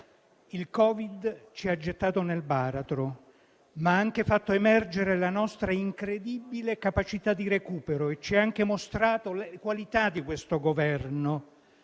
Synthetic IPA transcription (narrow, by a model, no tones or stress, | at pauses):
ilkɔːvid̪t͡ʃiad͡ʒːet̪ːaːt̪onelbaːɾat̪ɾo | maaaŋk̟efat̪ːoemɛrd͡ʒeɾelanɔst̪ɾaiŋkɾed̪ibilekapat͡ʃit̪ad̪ːiɾekuːpeɾoet͡ʃːiɛaŋk̟emost̪ɾaːt̪olekwalit̪ad̪ikwest̪oɡovɛrno